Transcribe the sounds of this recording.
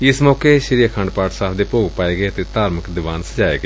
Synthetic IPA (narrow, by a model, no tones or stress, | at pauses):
ɪsmɔːkeʃəɾijakʰə̃ɳɖpaːʈsaːpʰd̪eːpoːɡpaːeːɡeːət̪eːt̪aːɾməkd̪ɪʋaːnsəd͡ʒaːeːɡe